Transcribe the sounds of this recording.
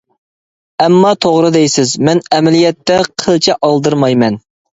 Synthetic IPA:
ɛmːɑt̪ʰoʁɾɨd̪ɛjsɪzmɛnɛmɛlijɛt̪ːɛqʰəlˠt͡ʃʰɛʔɑlˠd̪ɨɾmɑjmɛn

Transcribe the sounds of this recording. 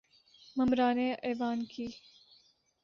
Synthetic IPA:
mɐmɾaːneʔeːʋaːnkiː

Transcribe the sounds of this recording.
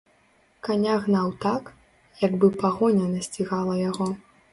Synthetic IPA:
kanʲaɣnawt̪ak | jaɡbɨpaɣɔnʲɐnɐsʲt͡sʲiɣalˠɐjaɣɔ

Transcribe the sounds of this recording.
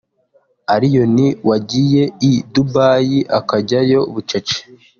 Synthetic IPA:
aɾijo̞niwaɟije̞idubaːjiʔakaɟajo̞uβut͡ʃet͡ʃe̥

